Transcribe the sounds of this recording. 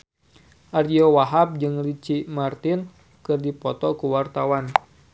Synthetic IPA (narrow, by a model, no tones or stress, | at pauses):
ʔariowaɦap̚d͡ʒɨŋrit͡ʃimart̪ɪn | kɨrdipɔt̪ɔkuwart̪awan